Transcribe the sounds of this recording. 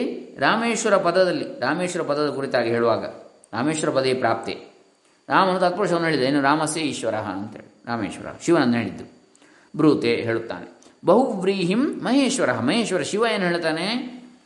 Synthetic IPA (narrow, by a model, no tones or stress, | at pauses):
ɾaːmeːʃʋɐɾɐpɐd̪ɐd̪ɐlːiɾaːmeːʃʋɐɾɐpɐd̪ɐd̪ɐkuɾit̪aːɡiɦeːɭuʋaːɡɐ̰ | ɾaːmeːʃʋɐɾɐpɐd̪eepɾaːp̚t̪ḛː | ɾaːmɐnɐt̪ɐt̪̚pɾoːʂɐnuɦeːɭid̪eeːnuɾaːmɐsjeiːʃʋɐɾɐɦɐ̰ɐnt̪ɐɦḛːɭɾaːmḛːʃʋɐɾɐ̰ɦɐʃiʋɐnɐnd̪ɦeːɭid̪ːu | bɾuːt̪eːɦeːɭut̪ːa̰ːnebɐɦuʋɾiːɦimːɐɦeːʃʋɐɾɐɦɐmɐɦeːʃʋɐɾɐʃiʋɐjeːnuɦeːɭt̪aːne